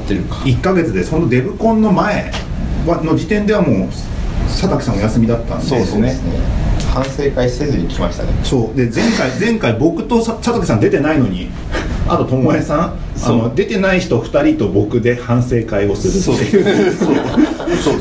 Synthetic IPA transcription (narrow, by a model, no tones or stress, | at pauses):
t̪ːeɾɯ̟kḁikːaɡe̞t͡sɨd̪e̞sɨ̥hõnt̪od̪e̞bɯ̟kõ̞nːo̞mae̞ | βano̞d͡ʑit̪ẽ̞nd̪e̞βamo̞ː | sat̪akʲi̥sãojasɨmʲid̪at̪ːã̰ndoesnesnehãɰ̃se̞ːkai̥sezɨɲ̟ikʲʰimaɕi̥t̪a̰nḛso̞ːd̪e̞zẽ̞ŋkaid͡zẽ̞ŋkaibo̞kɯ̟̥t̪o̞sat̪okʲi̥sãnd̪e̞t̪e̞naino̞ɲ̟i | a̰t̪o̞t̪o̞moesãŋ | ano̞d̪e̞t̪e̞naiçi̥t̪o̞ɸɯ̟̥t̪aɾʲit̪o̞bo̞kɯ̟d̪e̞hãɰ̃se̞ːkaio̞sɨɾɯt̪t̪ːejɯ | o